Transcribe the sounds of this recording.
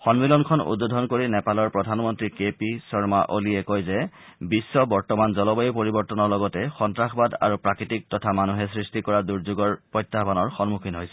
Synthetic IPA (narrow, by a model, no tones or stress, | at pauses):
xɔnmilɔnkʰɔnṵdbodʱɔnkoɹinɛpalɔɹpɹɔdʱanmɔntɹikepisɔɹmaʔoliɛkojzɛ | bisːɔbɔɹtɔmanzɔlɔbɔjepoɹibɔɹtɔnɔɹlɔɡɔtɛxɔntɹaxbada̰ɹupɹakitik̚tɔtʰamanuɦɛsɹistikɔɹaduɹzuɡɔɹpɔjtːabʱanɔɹxɔnmukʰinɦojsɛ̥